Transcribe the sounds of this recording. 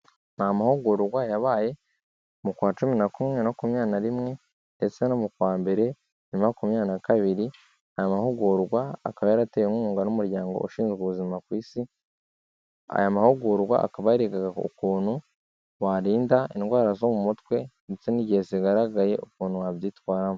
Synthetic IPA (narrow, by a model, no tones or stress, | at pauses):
namahoɡuɾɡwajaβaːje̞ | mukwaːt͡ʃuminakumŋe̞nokumɲaːnaɾimŋe̞ | nde̞t͡senomukwaːmbe̞ɾe̞ | nimakumɲaːnakaβiɾi | ajamahoɡuɾɡwa̰ːkaβajaɾatejeŋuːŋɡanumuɾjaːŋɡo̰oʃiːnzɡuβuzimakwiːsi | a̰jamahuɡuɾɡwa̰ʔa̰kaβajaɾiɡaɡaṵkuːn̥hu | waɾiːndainɡwaːɾazomumutwe̞ndet͡seniɟeziɡaɾaɡaje̞ukuːnhuwavjiːtwaːɾamu